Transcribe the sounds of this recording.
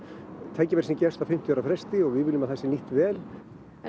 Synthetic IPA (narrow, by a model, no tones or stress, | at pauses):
t̪ʰaːjcɪvɛɾ̥sincɛst̪awfɪm̥t̪jœːɾafɾɛst̪ɪɔɣvɪðvɪlʏmaðθɛsːɪniht̪vɛːl